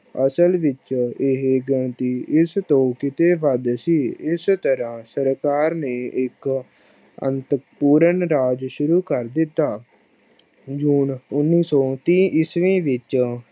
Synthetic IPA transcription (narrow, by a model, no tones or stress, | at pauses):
əsəlʋɪt͡ʃɪɦeɡəɳt̪iːɪst̪õːkɪt̪eːʋəd̪siːɪst̪əɾãːsəɾkaːɾneːʔɪk | ə̰nt̪əpuːɾəɳɾaːd͡ʒʃʊɾuːkəɾd̪ɪt̪ːaː | d͡ʒuːnʊnːiːsɔːt̪ĩːʔɪsʋĩːʋɪt͡ʃ